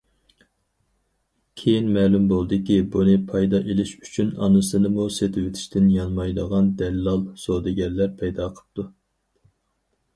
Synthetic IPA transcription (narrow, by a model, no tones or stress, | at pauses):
kʲʰejinmɛːlumbolˠd̪ɨkʲibunɨpʰɑjd̪ɑʔelɪʃy̥t͡ʃʰynɑ̰nɨsɨnɨmuset̪ʰɪwɪt̪ʰɪ̥ʃt̪ʰɪnjɑnmɑjləʁɑnd̪ɛlːɑlˠsod̪ɨɡʲɛlːæɾpʰɛjd̪ɑːqʰə̥p̚t̪ʰu